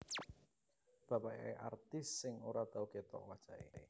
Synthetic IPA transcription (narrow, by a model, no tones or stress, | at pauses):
b̥a̤paḛʔa̰rt̪ɪsːɪŋoɾad̪̥auket̪ɔ̰ʔwad̥ʒ̥a̤ʔḛe